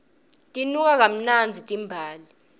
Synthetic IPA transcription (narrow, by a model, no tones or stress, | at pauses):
tʼinuk̬ak̬am̩nand͡zʱitʼimbʱaːli